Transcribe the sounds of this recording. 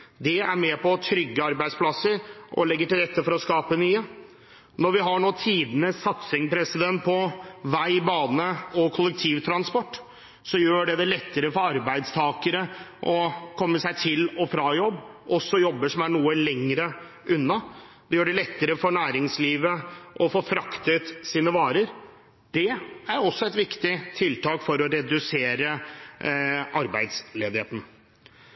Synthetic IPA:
d̪ɛæɾmɛpʰɔt̪ʰɾʏɡːəɑɾbæɪd̪spʰlɑsːəɾʔɔ̰lɛɡːəʈɪlɾɛt̪ːəfɔɾɔskɑːpənyːə | nɔɾʋɪɦɑɳoːt̪ʰiːd̪ənəsɑt̪sɪŋpʰɾɛsɪd̪ɛnt̪̚pʰɔʋæɪbɑːnəɔkʰʊlːək̚t̪ʰiːʋt̪ʰɾɑnspɔʈː | sɔjøːɖɛd̪ɛlɛt̪ːəɾəfɔɾɑɾbæɪd̪st̪ʰɑːkəɾəʔɔkʰɔmːəsæɪt̪ʰɪlɔfɾɑjɔbːʔɔsːɔjɔbːəʂɔmæɳuːəlɛŋːɾə | ʔʉnːɑ | d̪ɛjøːɖɛlɛt̪ːəɾəfɔɳæːɾɪŋsliːʋəʔɔfoːfɾɑkt̪ət̪siːnəʋɑːɾəɾ | d̪̥ɛæɾɔsːɔɛt̪ʋɪkt̪ɪt̪ʰɪlt̪ɑːkfɔɾɔɾɛd̪ʉseːɾə | ʔɑɾbæɪd̪sleːd̪ɪheːt̪n̩

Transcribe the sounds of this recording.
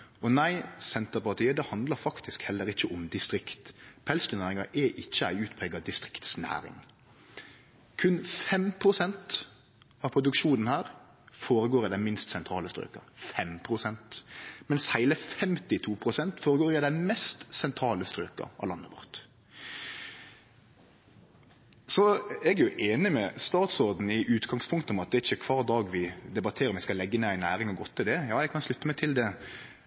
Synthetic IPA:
ɔnæɪsɛnt̪əʁpɑʁt̪ʰiːəd̪ɛhɑnd̪ləɾfɑkt̪ʰɪskhɛlːəɾɪçːəʔɔmd̪ɪst̪ɾɪkt̪pʰɛlskənæːʁɪŋɑɾʔɛʔɪçːəæ̰ɪʉːt̪pʰɾɛːɡɑd̪ɪst̪ʁɪkt̪snæ̰ːɾɪ̰ŋ | kʰʉnfɛmpʰɾʊsɛnt̪ | ɑʋpʰɾʊd̪ʉkʂuːnən̩hæːɾ | foːɾəɡoːɾɪd̪ænmɪnst̪sɛnt̪ʰɾɑːləst̪ɾø̰ːkɑ̰fɛmpʰɾʊsɛnt̪mɛnshæɪləfɛmt̪ɪt̪ʰuːpʰɾʊsɛnt̪foːɾəɡoːɾæd̪æɪmɛst̪sɛnt̪ʰɾɑːləst̪ɾøːkɑ̰ɑ̰lɑnːəʋɔ̰ɾt̪ | sɔɛɡæjʊʔeːnɪmɛst̪ɑːt̪sɔɾd̪n̩ɪʔʉːt̪ɡɑŋspʰʊŋkt̪ɔmɑt̪̚d̪ɛɪçːəkʰʋɑːɾd̪ɑːɡʋɪd̪ɛbɑt̪ʰeːɾəɾɔmæɪskɑlɛɡːənɛæɪnæːɾɪŋɔɡɔt̪ːɪld̪ɛjɑːjɛɡkʰɑnʂlʉt̪ːəmɛɪt̪ʰɪld̪ɛ

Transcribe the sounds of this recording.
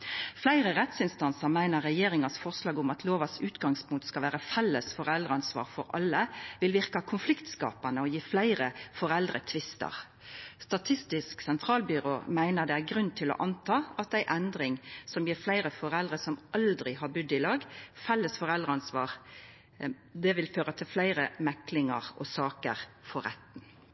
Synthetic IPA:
flæɪʁəʁɛt̪sɪnst̪ɑnsəʁmæɪnəʁːɛjeːʁɪŋɑsfɔʁslɑːɡʊmɑt̪ʰloːʋɑsʉːt̪ɡɑŋspʰʊŋkt̪skɑʋæːʁəfɛlːəsfɔʁɛld̪ʁəɑnsʋɑ̰ːʁfɔɾɑ̰lːəʋɪlʋɪʁkɑkʰʊnflɪkt̪skɑ̰ːpɑnəɔjiːflæɪʁəfɔʁɛld̪ʁət̪ʰʋɪst̪ə̰ʁ | st̪ɑt̪ʰɪst̪ɪsksɛnt̪ʰʁɑːlbʏɾoːmæɪnəɾd̪ɛæɡɾʉnt̪ʰɪlɔ̰ʔɑnt̪ʰɑːɑt̪æɪʔɛnd̪ɾɪŋsɔmjiːɾflæɪʁəfɔʁɛld̪ʁəsɔmʔɑld̪ɾɪɦɑbʉd̪ɪlɑːɡfɛlːəsfɔʁɛld̪ʁəɑnsʋɑːʁ | d̪ɛʋɪlføːɾət̪ʰɪlflæɪʁəmɛklɪŋɑ̰ʁɔsɑːkə̰ʁfɔɾɛt̪n̩

